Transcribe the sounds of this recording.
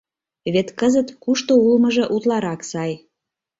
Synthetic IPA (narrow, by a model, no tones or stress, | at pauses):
βet̪kəzət̪kuʃt̪oulməʒɤ̆ʔut̪lɑɾɑksɑj